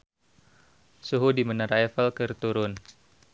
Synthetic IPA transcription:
suɦudimənaɾaɛfəlkərt̪uɾʊn

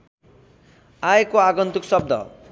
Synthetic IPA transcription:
aekoaɡʌnt̪uksʌb̚d̪ʱʌ̰

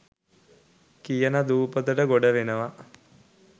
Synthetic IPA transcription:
kijənad̪uːpət̪əʈəɡoɖəʋenəʋa

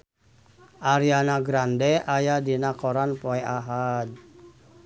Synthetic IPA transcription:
ʔaɾianaɡɾandɛajadinakɔɾanpoɛaɦad̚

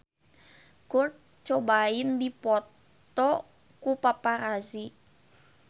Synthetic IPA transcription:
kʊr̚ | t͡ʃobaɪndipɔt̪ | ɔ | kupapaɾasi

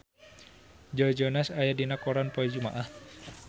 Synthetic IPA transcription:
d͡ʒɔd͡ʒɔnasajadinakɔɾanpɔɛd͡ʒuma̰ʔah

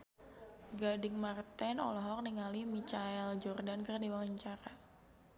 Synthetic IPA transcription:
ɡadɪŋmart̪ɛnɔlɔɦɔk̚niŋalimit͡ʃaɛld͡ʒɔrdankərdiwaŋaɲt͡ʃaɾa

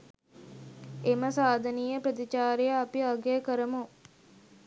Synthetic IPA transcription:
eməsaːd̪ʱɐniːjəpɾəd̪it͡ʃaːɾejaːpiɐɡeːkəɾəmu

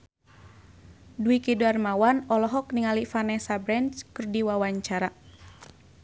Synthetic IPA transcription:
duikiduarmawanɔlɔɦɔk̚niŋalifanɛsabɾɛnt͡ʃkɨrdiwawaɲt͡ʃaɾa

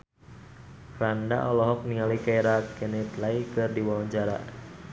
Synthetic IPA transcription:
fɾanda̰ʔɔlɔɦɔk̚niŋalikaɛɾakɛnɛt̪laikɨrdiwawɔɲd͡ʒaɾa̰

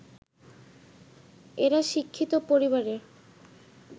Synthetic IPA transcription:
eɾaʃikʰːit̪opoɾiβaɾeɾ

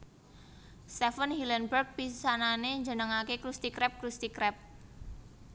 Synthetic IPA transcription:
sɛfənhilənbərɡ̚pisananeɲd͡ʒənəŋakekɾust̪ikɾɛp̚kɾust̪ikɾɛp̚

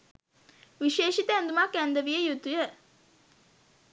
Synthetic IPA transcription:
ʋiʃeːʃit̪əænd̪umakːænd̪əʋijəjut̪ujə

